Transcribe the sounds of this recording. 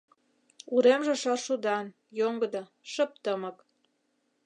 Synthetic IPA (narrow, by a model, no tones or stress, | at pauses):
uɾemʒĕʃɑʃud̪ɑn | joŋɡə̆d̪ɤ | ʃəp̚t̪əmə̆k